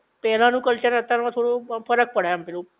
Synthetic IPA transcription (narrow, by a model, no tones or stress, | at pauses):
pɛɦl̤ãnũkəlt͡ɕəɾət̪aɾʋãt̪ʰoɽofəɾək̚pəɽ̤ajãmpɛlũ